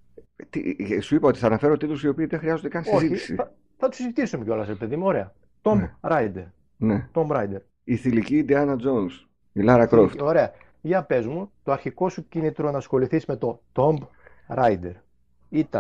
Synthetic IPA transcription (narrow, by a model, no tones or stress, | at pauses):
t̪ḭsuipɐo̞t̪iθɐːnɐfe̞ɾot̪it̪ɾusio̞piːðexɾiɐzo̞nd̪ekɐnsoizitçisḭɐ | θɐt̪u̥sizit̪isumeceo̞lɐsɾe̞pe̞ðimuo̞ɾe̞ɐ | t̪o̞mbɾɐjd̪eɾ | net̪o̞mbɾɐjd̪eɾ | iθiliciːd̪eɐnɐd͡zons | ilɐɾɐkɾoft̪o̞ɾe̞ɐ | ʝɐpe̞zmut̪o̞ɐɾçiko̞sucinit̪ɾo̞nɐsxo̞liθizme̞t̪o̞t̪o̞mb | ɾɐjd̪e̞ɾ | it̪ɐ